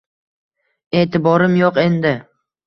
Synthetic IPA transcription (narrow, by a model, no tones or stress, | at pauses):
e̞ːt̪ʰɪbɒɾɪmjoqe̞nd̪ɪ